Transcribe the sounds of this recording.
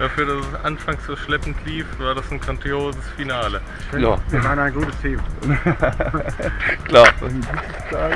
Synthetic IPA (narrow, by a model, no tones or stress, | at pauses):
d̥afyːɐdasɛsʔanfaŋsz̥oːʃlɛpn̩tʰliːfv̥aːɐdasnɡʁandjoːzəsfinaːlə | naːimaɪnaɪ̃nɡuːtəstʰiːmtː | kl̥aːɐnɡutəsa